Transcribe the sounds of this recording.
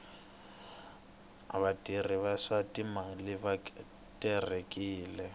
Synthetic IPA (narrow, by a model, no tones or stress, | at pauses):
a̰βatʼiriβaʂatʼimalɪβa | tʼɛrekʼiːlɛ